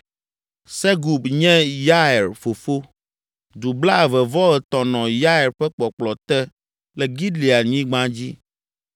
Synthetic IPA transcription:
sɛ˦ɡu˨bɲɛ̃˦ja˦ɛ˨ɾfo˨fo˦ | d̪u˨bla˦˨vɛ˨vɔ˦ɛ˨t̪ɔ˨nɔ̃˨ja˦ɛ˨ɾɸɛ˦k͡pɔ˨k͡plɔ˨t̪ɛ˦ | lɛ˨ɡi˦dli˨a˨ɲĩ˦ɡ͡bã˦d͡ʑi˦

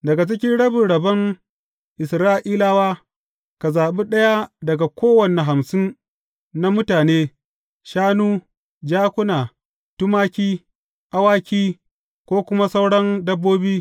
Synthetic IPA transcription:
dɐ˨ɡa˨t͡ʃɪ˦kʲɪ˦nɽɐ˦bɪ˨ɽɐ˨bɐ˦n | ʔɪ˨sɾaː˦ʔiː˦laː˦waː˦ | ka˨zaː˨ɓi˦ɗɐ˦ja˦dɐ˨ɡa˨kʷoː˦wɐ˨ne˨ɦa˨msɪ˦n | na˦mʊ˦taː˨neː˦ | ʃaː˦nuː˦ | d͡ʒaː˦kʷʊ˦naː˨ | tʊ˦maː˦kʲiː˦ | ʔa˦waː˦kʲiː˦ | kʷoː˦kʷʊ˦ma˦sa˦wɽɐ˦ndɐ˦bːoː˦biː˦

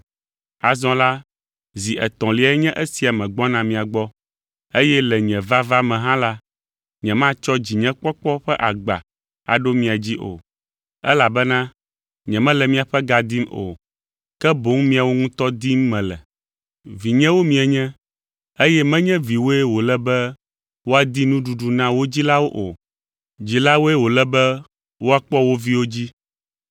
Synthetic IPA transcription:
a˨zɔ̃˦la˦ | zi˨ʔɛ˨t̪ɔ̃˨li˨˦a˨ɛ˦ɲɛ̃˦ʔe˦si˨a˨mɛ̃˨ɡ͡bɔ˦nã˨mĩ˨a˨ɡ͡bɔ˦ | e˦jɛ˦lɛ˨ɲɛ̃˨va˦va˦mɛ̃˨ɦã˦la˦ | ɲɛ̃˨mã˦t͡ʃɔ˦d͡ʑi˨ɲɛ̃˦k͡pɔ˦k͡pɔ˦ɸɛ˦ʔa˨ɡ͡ba̰˨ | a̰˨ɖo˦mĩ˨a˨d͡ʑi˦ʔo̰˨ | ɛ̰˦la˨bɛ˦nã˦ | ɲɛ̃˨mɛ̃˦lɛ˨mĩ˨a˨ɸɛ˦ɡa˨d̪i˦mo̰˨ | kɛ˦bo˨˦ŋmĩ˦a˨wo˦ŋũ˦t̪ɔ˦d̪i˦mːɛ̃˨lɛ̰˨ | vi˨ɲɛ̃˦wo˦mĩ˨ɛ˨ɲɛ̃˦ | e˦jɛ˦mɛ̃˦ɲɛ̃˦vi˨wo˦ɛ˦wo˨lɛ˦bɛ˦ | wo˦a˨d̪i˦nũ˦ɖu˨ɖu˨nã˦wo˦d͡ʑi˦la˦wo˦ʔo˨ | d͡ʑi˨la˦wo˦ɛ˦wo˨lɛ˦bɛ˦ | wo˦a˨k͡pɔ˦wo˦vi˦wo˦d͡ʑi˦

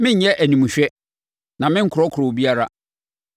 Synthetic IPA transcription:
mɪ̃˦ɲ̩˦ɲɛ˦ʔæ˨nĩ˨mũ˨ɕᶣɛ˦ | nã˨mɪ̃˦ŋ̩˦kʰʊ˨ɾɔ˦kʰʊ˨ɾo˨bi˦a˦ɾa˦

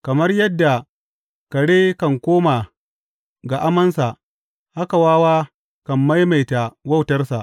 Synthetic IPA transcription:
kɐ˨mɐ˦rjɐ˦dːa˨ | kɐ˨ɽeː˦kɐ˨ŋkʷoː˦ma˨ | ɡa˨ʔa˦mɐ˦nsa˨ʔ | ha˦ka˨waː˦waː˦ | kɐ˨mːa˦jma˨jta˨wɐ˦˨wtɐ˦rsa̰˨ʔ

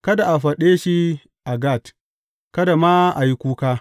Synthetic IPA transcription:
kɐ˦da˨ʔa˨ɸɐ˨ɗeː˦ʃi˦ | ʔa˨ɡa˦˨t | kɐ˦da˨ma˦ʔa˨ji˦kʷuː˦kaː˦

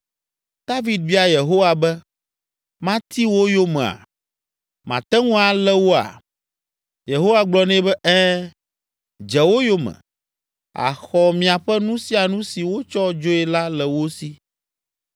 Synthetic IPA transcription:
d̪̥a˦vi˦d̪̚vi˦a˨je˨ɦo˦wa˨bɛ˦ | mã˦t̪i˦wo˦jo˦mɛ̃˨a̰˨ | mã˨t̪ɛ˦ŋũ˦a˨lɛ˦wo˦a̰˨ | je˨ɦo˦wa˦ɡ͡blɔ˨nɛ̃˦bɛ˦ɛ˦ | d͡ʒɛ˨wo˦jo˦mɛ̰̃˨ | a̰˨xɔ˨mĩ˨a˨ɸɛ˦nũ˦si˦a˨nũ˦si˨wo˦t͡ʃɔ˦d͡ʒo˦ɛ˨la˦lɛ˨wo˦si˦

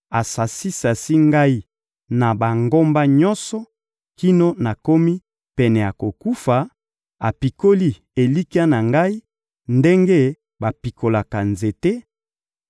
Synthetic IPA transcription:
a˨sa˨si˦sa˨si˦ŋɡa˦i˦ | na˨ba˨ŋɡo˦mba˦ɲɔ˦nsɔ˨ | ki˦no˦na˨ko˦mi˦ | pɛ˨nɛ˨ja˨ko˨ku˦fa˨ | a˨pi˨ko˦li˦ | e˨li˦ki˦a˦na˨ŋɡa˦i˦ | nde˦ŋɡe˦ | ba˨pi˨ko˨la˨ka˨nze˨te˦

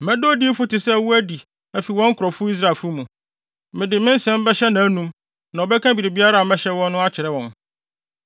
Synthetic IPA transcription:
mɛ̃˦do˦di˦fʊ˦tɪ˨sɛ˦˨wu˦æ˦di˨ | æ˨fi˨wɔ̃˦ŋ̩˦kʰʊ˨ɾɔ˨fʊ˦i˦s̬ɾa˦˨fʊ˦mũ˨ | mɪ̃˨dɪ˨mɪ̃˦n̩˦sɛ̃˦m˦bɛ˦ɕɛ˦nã˨˦nũ˦m | nã˨ɔ˨bɛ˦kʰã˦bi˨ɾi˨bi˦a˦ɾa˦˨a˨mɛ̃˦ɕɛ˦wɔ̃˦nː˦ʊ̃˦a˦t͡ɕʰɪ˨ɾɛ˦wɔ̃˨n

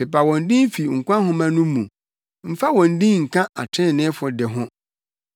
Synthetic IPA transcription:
pɪ˨pʰa˨wɔ̃˨n̩˦dĩ˦n̩˦fi˨ŋ̩˨kʷã˦ɦʊ̃˦mã˦nʊ̃˦mṵ̃˨ | m̩˦fa˦wɔ̃˨n̩˨˦dĩ˦ŋ̩˨kʰã˦a˨tʰɪ̃˦˨nɪ̃˦fʊ˨dɪ˨ɦʊ̃˦

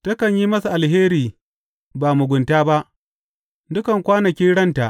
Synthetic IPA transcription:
tɐ˦kɐ˨ɲji˦mɐ˦sa˨ʔa˨lɦeː˦ɾiː˨ | baː˨mʊ˨ɡʷʊ˨ntaː˦ba˦ʔ | dʊ˦kɐ˨ŋkʷaː˦nɐ˨kʲi˦nɽɐ˦nta˨ʔ

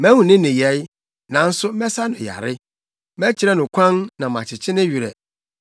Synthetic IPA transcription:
mæ̃˦hũ˨nɪ̃˦nɪ̃˨jɛ˨˦j | nã˨n̩˦sʊ˦mɛ˦sa˦nʊ̃˨ja̰˨ɾɪ˦ | mɛ̃˦t͡ɕʰɪ˨ɾɛ˦nʊ̃˨kʷʰã˦nnã˨mã̰˨t͡ɕʰɪ˨t͡ɕʰɪ˦nɪ̃˦ɥi˨ɾɛ̰˨

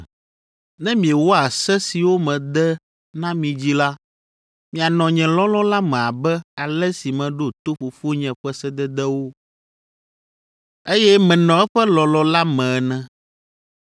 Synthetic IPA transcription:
nɛ̃˦mĩ˨ɛ˨wɔ˦a˨sɛ˦si˨wo˦mɛ̃˨d̪ɛ˦ | nã˦mĩ˨d͡ʑi˦la˦ | mĩ˨a˨nɔ̃˨ɲɛ̃˨lɔ̃˦lɔ˦la˦mɛ̃˨a˨bɛ˦a˨lɛ˦si˨mɛ̃˨ɖo˦t̪o˦ɸu˨fu˦ɲɛ̃˨ɸɛ˦sɛ˦d̪ɛ˦d̪ɛ˦wo˦ | e˦jɛ˦mɛ̃˨nɔ̃˨˦ɛ˦ɸɛ˦lɔ˨lɔ˦la˦mɛ̃˨nɛ̃˦

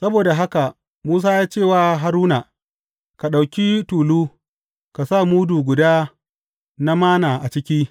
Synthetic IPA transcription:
sɐ˦boː˨da˨ɦa˦ka˨ | muː˦s̬aː˦jaː˦t͡ʃeː˦˨waː˨ɦa˨ɾuː˦na˨ | ka˨ɗa˨wkʲi˦tuː˨luː˦ | ka˨sa˦˨muː˦duː˨ɡʷʊ˨daː˦ | na˦maː˦naː˨ʔa˨t͡ʃɪ˦kʲiː˦

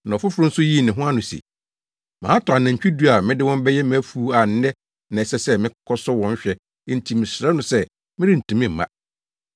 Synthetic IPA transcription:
nã˨ɔ˨fʊ˦fʊ˨ɾʊ˦n̩˦sʊ˦ji˦˨nɪ̃˨ɦʊ̃˦a˦nʊ̃˨sḭ˨ | mãː˨˦tʰɔ˨a˨nã˨ɲ̩˨t͡ɕᶣi˦du˦a˨mɪ̃˦dɪ˦wɔ̃˦m̩˦bɛ˦jɛ˦m̃˦æ˦fu˦a˨n̩˦nɛ̃˦ | nã˨sɛ˦sɛ˦mɪ̃˦kɔ˦kʰɔ˦sɔ˦wɔ̃˨ɲ˦ɕᶣɛ˦ | n̩˨tʰi˨mɪ̃˨sɾɛ˦nʊ̃˨sɛ˦ | mɪ̃˦ɾi˦n̩˨tʰũ˨mĩ˦m̩˨mã̰˦

